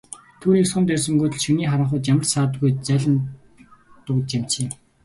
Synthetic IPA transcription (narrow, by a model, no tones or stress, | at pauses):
t̪ʰuːniːksʊnt̪æːs̬ə̆ŋɡuːt̪ɘ̆ɮʃɵniːχaɾə̆ɴχʊ̆ːt͡ɕ̪t͡ɕjamə̆rsaːt̪ɡujt͡sæɮə̆n | t̪ʊkt͡ɕam̥t͡ɕem